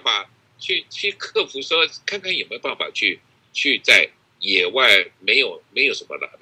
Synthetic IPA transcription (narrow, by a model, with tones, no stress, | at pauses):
fa˨˩ | t͡ɕʰy˥˧t͡ɕʰy˥˧kʰɤ˥˩fu˧˥ʂɔ˥kʰa˥˧nkʰa˥˩njo˨˩me˥˧˩pa˥˩nfa˨˩t͡ɕʰy˥˧ | t͡ɕʰy˥˧t͡sa˥˩ɪ | jɛ˨˩wa˥˩ɪme˧˥ɪjo˨˩ʊme˧˥ɪjo˨˩ʂə˧˥mə̰˧lə̰˨˥